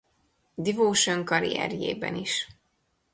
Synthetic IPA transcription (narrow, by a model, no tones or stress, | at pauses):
d̪ivoːʃøŋkɒɾiɛ̰ɾjeːbɛniʃ